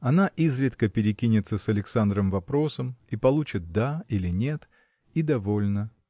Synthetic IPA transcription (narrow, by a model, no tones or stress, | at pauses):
ɐnaʔizɾʲɪt̪kəpʲɪɾʲɪkʲinʲɪt̪səsɐlʲɪksand̪ɾəmvɐpɾo̞səmipɐlˠut͡ɕɪt̪̚d̪ailʲɪnʲe̞t̪ | id̪ɐvolʲnə